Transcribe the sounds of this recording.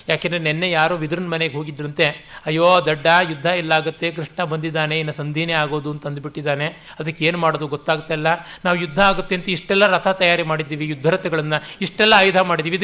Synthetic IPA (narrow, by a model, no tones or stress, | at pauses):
jaːkend̪ɾenɛnːejaːɾoːʋid̪ɾɐnmɐneɡeɦo̞ːɡid̪ɾɐnt̪e̞ɐjːoːd̪ɐɖːɐjud̪ʱːɐilːɐaːɡut̪ːe̞k̬ɾiʂɳɐbɐnd̪id̪ːaːne̞inːɐsɐnd̪ʱiːneaːɡo̞ːd̪uɐnt̪ɐnd̪biʈːid̪aːne̞ | ɐd̪ɐkːeeːnumaːɽoːd̪uɡɔt̪ːaːɡut̪ːailːɐnaːʋujud̪ʱːɐːɡut̪ːe̞ɐnt̪ɐiʂʈɛlːɐɾɐt̪ʰɐt̪ɐjaːɾimaːɽid̪ːiːʋijud̪ʱːɐɾɐt̪ɛɡɐɭɐnːɐiʂʈɛlːɐaːjud̪ʱɐmaːɽid̪iːʋid̪